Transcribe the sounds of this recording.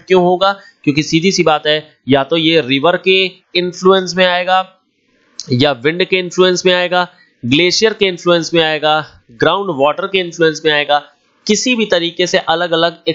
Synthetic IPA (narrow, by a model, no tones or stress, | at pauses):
kjõːɦoːɡaːkjõːkisiːd̪ʱisibaːt̪ɦɛ | jat̪ojeɾɪʋəɾke | ɪ̃nfluːə̃nsmẽaːeːɡaː | jaʋɪ̃ɳɖkeɪ̃nfluːə̃nsmẽaːeːɡaː | ɡleːʃijəɾkeɪ̃nfluːə̃nsmẽaːeːɡaː | ɡɾaːʊ̃ɳɖʋɔːʈəɾkeɪ̃nfluːə̃nsmẽaːeːɡaː | kɪsibʱit̪ɐɾiːqeseʔɐləɡɐləɡɪ